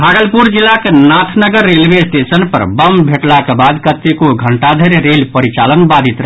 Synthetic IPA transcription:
bʱaɡəlpuɾd͡ʒilːakenat̪ʰnəɡəɾːelʋesʈesənpə̰ɾbəmbʱeʈlakebad̪kət̪ːekoɡʱəɳʈad̪ʱəɾeɾelpəɾit͡ʃalənbad̪ʱit̪ɾə

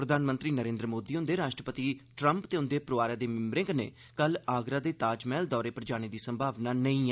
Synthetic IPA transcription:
pɾəd̪ʱaːnmənt̪ɾiːnəɾẽːnd̪ɾəmoːd̪iːʊ̃nd̪eːɾaːʃʈɾəpət̪iːʈɾəmpt̪eːʊnd̪eːpɾʊʋaːɾjaːd̪eːmɪmɾɪ̃ŋɡnḛː | kəlaːɡɾaːd̪eːt̪aːd͡ʒmɛːld̪ɔːɾeːpəɾd͡ʒaːñiːd̪iːsəmbʱaːʋnaːnəĩː

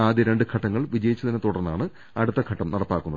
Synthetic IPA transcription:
aːd̪jɐɾe̞ɳɖɨkʰɐʈːɐŋːɐɭʋid͡ʑɐjit͡ɕːɐðinɐt̪ːuɽɐrnːa̰ːɳɨ | ɐɽut̪ːɐkʰɐʈːɐmnɐɽɐpːaːkːunːɐð

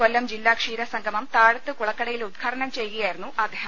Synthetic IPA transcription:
kolːɐmd͡ʑilːaːkʂiːɾɐsɐŋɡʱɐmɐmt̪aːɻɐt̪ːɨkuɭɐkːɐɽɐjilud̪̚kʰaːɽɐɳɐmt͡ɕe̞jkɐjaːjiɾunːuʔɐd̪ʱːeːɦɐm

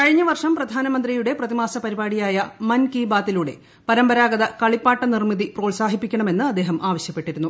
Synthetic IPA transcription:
kɐɻiɲːɐʋɐrʂɐmprɐd̪ʱaːnɐmɐnd̪rijuɽe̞prɐðimaːsɐpɐɾibaːɽijaːjɐmɐnkiːbaːt̪ːiluːɽe̞ | pɐɾɐmbɐɾaːɡɐðɐkɐɭipːaːʈːɐnirmiðipro̞ːɭsaːɦipːikʲːɐɳɐme̞nːɨɐd̪ːeːɦɐmʔaːʋɐɕjɐpːe̞ʈːiɾunːu

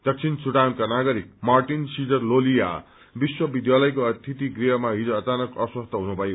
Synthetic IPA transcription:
d̪̥ʌk̚t͡sʰint͡suʈankanaɡʌɾik̚marʈinsid͡zʌrlolija̰ | biswʌbid̪jalʌjkoʌt̪ʰit̪iɡriɦʌmaɦid͡zoʌt͡sanʌkʌswʌst̪ʰʌɦunubʱʌjo

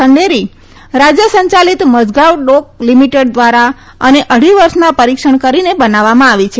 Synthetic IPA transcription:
əɳɖeɾi | ɾad͡ʒjəsəɲt͡ʃalit̪məd͡ʒɡaʋɖok̚limiʈeɖ̚d̪ʋaɾa | əneʔəɽ̤iʋəɾʃnapəɾikʃəɳ̃kəɾinebənaʋːamãaʋit͡ʃʰe

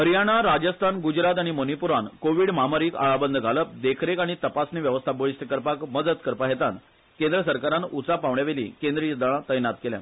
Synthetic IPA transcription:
ɦəɾjaɽ̃aɾad͡ʑəst̪ʰanɡud͡ʑɾat̪̬aɽ̃imonipuɾankoʋiːɽmaməɾiːka̰ɭabənd̪ʱəɡʱaləp̚d̪ekʰɾekaɽ̃it̪əpasneʋjəʋəst̪ʰaboɭist̪əkəɾpakməd̪əd̪kəɾpaɦet̪an | kend̪ɾəsəɾkaɾanut͡sapaʋɳjaʋelḭːkẽnd̪ɾijd̪əɭ̃ãt̪əjnat̪̚kelja̰

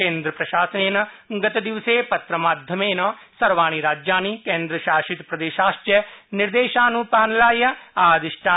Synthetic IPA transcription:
kẽːnd̪ɾəpɾəʃaːsəneːn | ɡət̪d̪ɪʋseːpət̪ɾəmaːd̪ʱjəmeːnɐsəɾʋaːñiːɾaːd͡ʒjãːniːkẽːnd̪ɾəʃaːʃɪt̪pɾəd̪eːʃaːʃt͡ʃənɪɾd̪eːʃãːnũːpaːnlaːjaaːd̪ɪʃʈʰãː

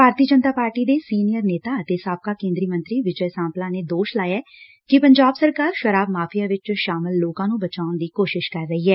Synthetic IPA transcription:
bʱaːɾt̪iəd͡ʒənt̪aːpaːɾʈiːd̪eːsiːnijəɾneːt̪aːət̪eːsaːb̚kaːkẽːnd̪ɾiːmə̃nt̪ɾiːʋɪd͡ʒəjsãːplãːneːd̪oːʃlaːjaː | kɪpəɲd͡ʒaːbsəɾkaːɾʃəɾaːbmaːpʰijaːʋɪt͡ʃʃaːmɪlːoːkãːnũːbət͡ʃaːʊnd̪iːkoːʃɪʃkəɾːəɦiːɦɛː

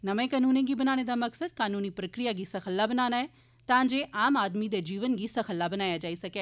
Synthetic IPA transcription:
nəʋẽːkaːnuːnẽːɡiːbənaːɽ̃ed̪aːməksəd̪̚kaːnuːniːpɾəkɾijaːɡiːsəxʰəlːaːbənaːnaːɛː | t̪ãːd͡ʒeːʔaːmaːd̪mid̪eːd͡ʒiːʋənɡiːsəkʰəlːaːbənaːjad͡ʒaːisɐkɛː

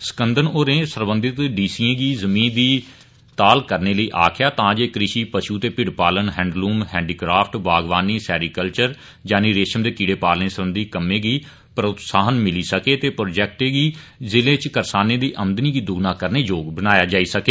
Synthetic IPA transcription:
sə̥kənd̪ənoːɾẽːsəɾbənd̪ɪt̪ɖiːsiːẽːɡiːzəmĩːnd̪iː | t̪aːlkəɾneːləiːʔaːkʰɪjaːt̪ãːd͡ʒeːkɾɪʃiːpəʃuːt̪eːpɪɽpaːlənɦɛ̃ːɳɖluːmhɛ̃ːɳɖiːkɾaːpʰʈbaːɡʋaːniːsɛːɾiːkəlt͡ʃəɾ | d͡ʒaːniːɾeːʃəmd̪eːkiːɽeːpaːlnẽːsəɾbənd̪iːkəmːẽːɡiː | pɾəʊt̪saːɦənmɪliːsəkeːt̪eːpɾoːd͡ʒɛːk̚ʈeːɡiːzɪlẽːt͡ʃkəɾsaːnẽːd̪iːʔəmd̪niːɡiːd̪ʊɡnaːkəɾneːd͡ʒoːɡbənaːjaːd͡ʒaːiːsəkeː

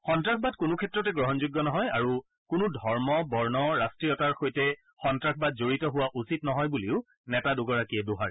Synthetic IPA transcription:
xɔntɹakbadkʊnʊkʰɛtɹɔtɛɡɹɔɦɔnzuɡːɔnɔɦɔjaɹu | kʊnʊdʱɔɹmɔbɔɹnɔɹastɹijɔtaɹxojtɛ | xɔntɹakʰbad̚zoɹitɔɦʊwaʔusitnɔɦɔjbuliʊ | nɛtadʊɡɔɹakiɛdoɦaɹɛ

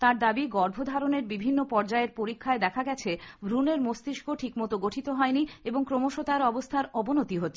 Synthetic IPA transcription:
t̪aɾd̪abiɡɔɾbʱod̪ʱaɾoneɾbibʱinːopɔɾd͡ʑaeɾpoɾikʰːaed̪ɛkʰaɡɛt͡ɕʰebʱɾuneɾmost̪iʃkʰoʈʰikmɔt̪oɡoʈʰit̪oɦɔenieboŋkɾomoʃot̪aɾɔbost̪ʰaɾɔbonot̪iɦot̪ːɕʰ

